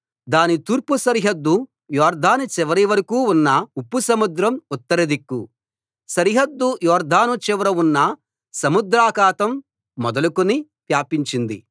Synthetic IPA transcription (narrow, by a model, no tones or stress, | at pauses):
d̪aːnit̪uːɾpusɐɾiɦɐd̪ːu | jɔːɾd̪ʱaːnut͡ʃɛʋɐɾiʋɐɾɐkuːunːɐupːusɐmud̪ɾɐmut̪ːɐɾɐd̪ikːu | sɐɾiɦɐd̪ːujɔːɾd̪ʱaːnut͡ʃɛʋɐɾɐunːɐ | sɐmud̪ɾaːkaːt̪ɐmː | ɔd̪ɐlukuni | pjaːpiɲt͡ʃind̪ḭ